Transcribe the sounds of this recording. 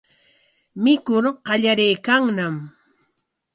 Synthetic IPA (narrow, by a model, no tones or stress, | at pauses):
mɪkʊɾɢɑʎaɾejkaŋnam